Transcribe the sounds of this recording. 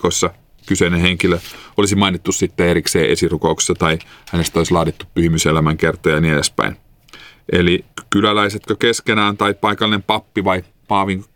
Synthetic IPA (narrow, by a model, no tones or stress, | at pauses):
osːɑ | kyseineheŋkiløolisimɑinit̪ːussit̪ːeeɾikseːʔesirukoukse̥sːɑt̪ɑihænest̪oisʲlɑːdit̪ːuppyhymyselæmæŋkert̪ˑojɑniːedespæ̰in | ʔelikylælæiset̪køkeskenæːnt̪ɑipɑikɑlinempɑpːiʋɑi | pɑːʋiŋ